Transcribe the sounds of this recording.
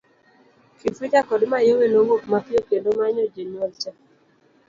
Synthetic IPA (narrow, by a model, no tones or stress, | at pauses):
kifet͡ʃakɔdmajowenowopmapjokendomaɲɔd͡ʒenɔlt͡ʃa